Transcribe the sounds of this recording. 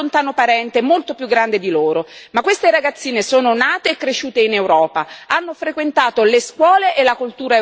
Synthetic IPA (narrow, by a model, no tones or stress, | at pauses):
ont̪aːnopaɾɛnt̪emolt̪opjuɡːɾand̪ed̪iloːɾomakːwest̪eɾaɡat̪sːiːnesoːnonaːt̪eːkːɾeʃuːt̪einewɾɔːpaanːofɾekwent̪aːt̪oleskwɔːleʔelakult̪uːɾa